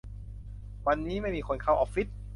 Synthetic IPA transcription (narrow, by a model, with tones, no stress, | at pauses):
wa˧nːiː˦˥ma˥˩jmiː˧kʰo˧nkʰa˧˩wʔɔː˧˩p̚fi˦˥t̪̚